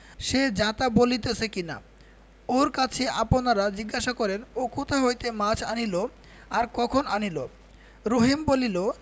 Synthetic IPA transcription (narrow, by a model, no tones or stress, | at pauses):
ʃed͡ʑat̪abolit̪et͡ɕʰekina̰ | oɾkat͡ɕʰeʔaponaɾad͡ʑiɡːaʃakɔɾenokot̪ʰaɦojt̪emat͡ɕʰa̰nilo | aɾkɔkʰonanilo | ɾoɦimbolilo